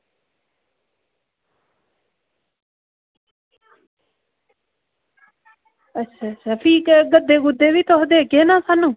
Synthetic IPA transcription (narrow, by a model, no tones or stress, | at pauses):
əsəfʰiːkɡəd̪eːɡʊd̪eːʋiːt̪oɦd̪eːkeːnãːsaːnũː